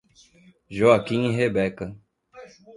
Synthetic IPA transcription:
ʑoɐkĩːɦeːbeːk

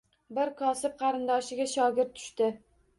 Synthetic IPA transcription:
bɪɾkʰɒsɪp̚qʰɑɾɪnd̪ɒʃɪɡʲaʃɒɡʲɪɾt̪ʰːʊ̥ʃt̪ɪ

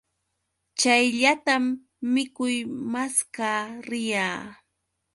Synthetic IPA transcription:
t͡ʃajʎat̪amː | ɪkʊjmaskaːɾɪjaː

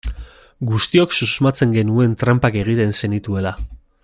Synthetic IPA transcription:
ɡust̪io̞ksusmat͡se̞ŋɡe̞nue̞nt̪ɾampake̞ɣ̞it̪e̞nse̞nit̪ue̞la

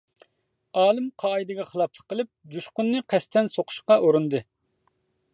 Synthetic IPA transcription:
ɑːlˠɨmqʰɑːid̪ɨɡʲɑχəlˠɑpʰlˠə̥qʰːəlˠɨp̚d͡ʒuʃqʊnːɨqʰɛst̪ʰɛnsoqʰʊ̥ʃqɑʔoɾund̪ɨ

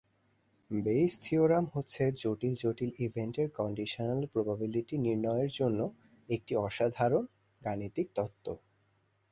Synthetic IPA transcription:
bejst̪ʰioɾamɦotːɕʰed͡ʑoʈild͡ʑoʈilibʱeɳʈeɾkɔɳɖiʃonalpɾobabiliʈiniɾnɔeeɾd͡ʑonːo | ek̚ʈiɔʃad̪ʱaɾon | ɡanit̪ik̚t̪ɔt̪ːo

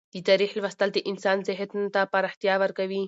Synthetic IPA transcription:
t̪it̪ɐɾiħlʋɐst̪ɐlt̪iʔinsaːnseɦet̪nt̪apɐɾɐht̪jaʋɐɾkɐʋiː

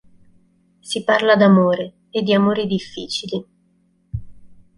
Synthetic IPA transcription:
siparlad̪amoːɾe | ed̪ːiamoːɾid̪ifːḭːt͡ʃili

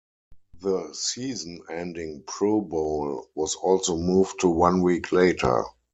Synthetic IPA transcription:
ðəsiːz̃n̩ɛ̃ndɪ̃ŋpʰɹoʊbɔʊlwɔzɔlsoʊmuːvtʰːuwãnwiːkʰleɪtʰə̰˞

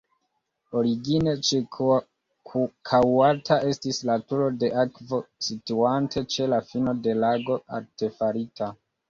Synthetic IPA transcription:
o̞ɾiɡine̞t͡ʃe | kʰawatʰaʔe̞stislatuɾo̞de̞ʔakvo̞situantʰe̞t͡ʃe̞lafino̞de̞laɡo̞a̰ɾte̞faɾitʰa

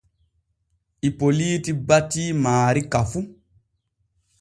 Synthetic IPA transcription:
ʔipoliːtibatiːmaːɾikafu

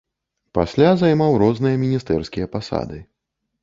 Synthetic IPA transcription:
pasʲlʲazajmawɾɔznɨjɐmʲinʲist̪ɛrskʲijɐpasa̰d̪ɨ

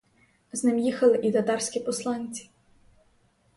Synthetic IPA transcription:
znɪmjixɐlˠɪʔit̪ɐt̪ɑɾsʲkʲipɔslˠɑnʲt͡sʲi̥

